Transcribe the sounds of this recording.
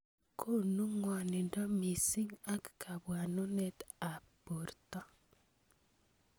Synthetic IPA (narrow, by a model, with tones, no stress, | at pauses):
kʰo˦nu˦ŋwa˨ne˨nda˦mi˨si˦ŋa˦kkʰa˨βwa˨no˦ne˦t̪a˨po˨ɾt̪a˦